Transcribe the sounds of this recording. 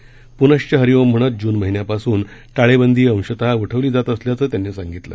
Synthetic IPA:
punəɕt͡ɕəɦəɾiʋomm̤əɽ̃ət̪̚d͡ʑuːnməɦinjapasuːnʈaɭebənd̪ʱiːə̃w̃ɕət̪auʈʰəʋliːd͡zat̪əsljat͡səːt̪janːiːsaŋɡit̪lə̰

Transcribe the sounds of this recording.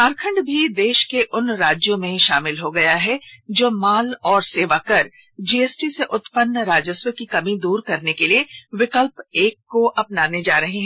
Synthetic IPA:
aɾkʰə̃ɳɖbʱid̪eːʃkeʔʊnɾaːd͡ʒjõmẽʃa̰ːmɪlɦoɡɐjaɦɛd͡ʒoːmaːlɔːɾseːʋakəɾ | d͡ʒiːeːsʈiseʔʊt̪pənːɾaːd͡ʒəswəkikɐmĩd̪uːɾkɐɾnekelieʋɪkəlpeːkːoʔɐpnaːned͡ʒaːɾɐɦiɦɛ̃

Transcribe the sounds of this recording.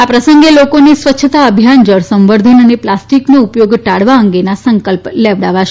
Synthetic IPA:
apɾəsəŋɡelokonisʋətːʃʰət̪aəbʱjand͡ʒəɽsə̃mʋəɾd̪ʱənəneplasʈiknoupjoɡʈaɽʋaəŋɡenasəŋkəlpleʋɽaʋaʃ

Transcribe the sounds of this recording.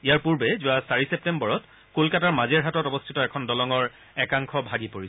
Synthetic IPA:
iaɹpuɹbɛzʊwasaɹisep̚tembɔɹɔt | kolkataɹmazeɹɦatɔtɔbɔstʰitɔɛkʰɔndɔlɔŋɔɹ | ɛkaŋkʰɔbʱaɡipoɹisɛ

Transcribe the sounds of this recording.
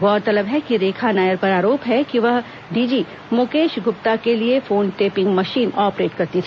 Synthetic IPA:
ɡɔːɾt̪ɐləbɦɛkiɾeːkʰanaːjəɾpɐɾaːɾoːpɦɛkiʋɐɦ | ɖiːd͡ʒi | mʊkeːʃɡʊp̚t̪akeliefoːnʈeːpɪ̃ŋɡmɐʃiːnɔːpɾeːʈkɐɾt̪it̪ʰ

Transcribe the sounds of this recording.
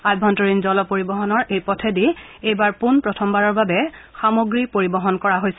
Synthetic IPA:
ajbʱɔntɔɹinzɔlɔpoɹibɔɦɔnɔɹʔejpɔtʰɛdi | ejbaɹpunpɹɔtʰɔmbaɹɔɹbabɛxamoɡɹipoɹibɔɦɔnkɔɹaɦojsɛ

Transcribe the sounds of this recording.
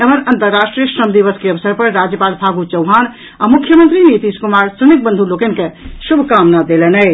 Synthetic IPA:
emənənt̪əɾːasʈɾijəsɾəmd̪iʋəskeəbsəɾpəɾɾad͡ʒjəpalpʰaɡut͡ʃəwɦan | amukʰːjəmənt̪ɾinit̪iskumaɾsunik̚bə̃nd̪ʱulokenkesubʱkamnad̪elɛnəɪ

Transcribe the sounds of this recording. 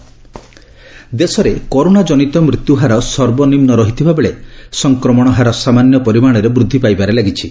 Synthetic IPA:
d̪esɔɾekɔɾonad͡ʒɔnit̪ɔmɾut̪juɦaɾɔsɔɾbɔnimnɔɾɔɦit̪ʰibʱabeɭesɔŋkɾɔmɔɽ̃ɔɦaɾɔsamanjɔpɔɾimaɽ̃ɔɾebɾud̪ʱːipajbaɾelaɡit͡ʃʰi

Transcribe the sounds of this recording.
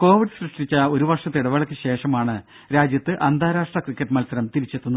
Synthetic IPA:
ko̞ːʋiɖɨsrɨʂʈit͡ɕːɐo̞ɾuʋɐrʂɐt̪ːiɽɐʋɐɭɐkʲːɨɕe̞ːʂɐmaːɳɨ | ɾaːd͡ʑjɐt̪ːɨʔɐnd̪ʱaːɾaːʂʈrɐkrikʲːɐʈːɨmɐlsɐɾɐmt̪iɾit͡ɕːe̞t̪ːunːu

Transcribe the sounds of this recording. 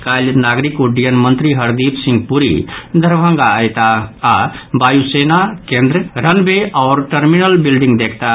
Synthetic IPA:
kalnaɡɾikuɖijənmənt̪ɾiɦəɾd̪ipsĩŋɡpuɾḭd̪ʱəɾbʱə̃ŋɡaəjt̪aː | bajusenakẽnd̪ɾəɾənbeaʊɾʈəɾminəlbilɖĩŋɡd̪ekʰt̪a

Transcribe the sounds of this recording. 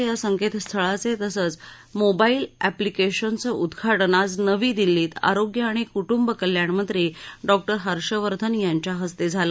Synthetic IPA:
jasəŋket̪st̪ʰəɭat͡set̪əsəːt͡s | mobailæplikeɕənt͡səʔud̪ɡʱaʈnad͡znəʋiːd̪ilːiːt̪a̰ɾoɡjəaɽ̃ikuʈumbəkəljaɳməd̪ɾeɖɔk̚ʈəɾɦəɾɕəʋəɾd̪ʱənjaɲt͡ɕjaɦəst̪ed͡zʱalə

